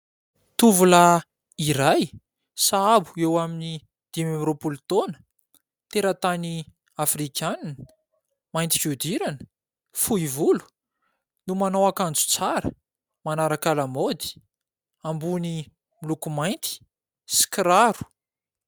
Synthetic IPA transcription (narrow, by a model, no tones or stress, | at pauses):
t̪uvula | iɾaj | saabuewamini | d̪̥imemɾopult̪onə̥ | t̪eɾat̪ani | afrikʰʲananəə̥ | majnt̪ifud̪iɾanə̥ | fuivulu̥ | numanowakand͡zu̥t͡saɾə | manaɾakalamod̪i̥ | ambuni | milukumajnt̪i̥ | si̥kɾaɾu̥